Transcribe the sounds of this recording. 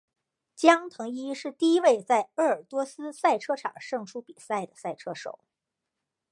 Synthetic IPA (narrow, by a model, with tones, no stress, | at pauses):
t͡ɕjɑ˥ŋt̪ʰɤ˧˥ŋi˥ʂɻ̩˥˧t̪i˥˩i˥we˥˧ɪt͡sa˥˧ɪə˞˥˩ə˞˨˩t̪wɔ˥sɹ̩˥sa˥˩ɪʈ͡ʂʰɤ˥ʈ͡ʂʰɑ̰˨˩ŋʂɤ˥˩ŋʂu˥pi˨˩sa˥˩ɪd̪ə˩sa˥˩ɪʈ͡ʂʰɤ˥ʂo̰˨˩˦ʊ